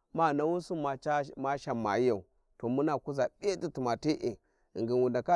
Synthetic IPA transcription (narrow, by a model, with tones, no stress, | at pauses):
ma˦˨na˨wu˦su˦ma˨a˦ma˦ʃa˨mːa̰˨i˦ja˨u˨ | to˨mu˦na˨ku˦za˨ɓʲe˦ti˦tu˨ma˨ti˦ʔi˨ | ḭ˨ŋɡi˨nwu˨nda˨ka˦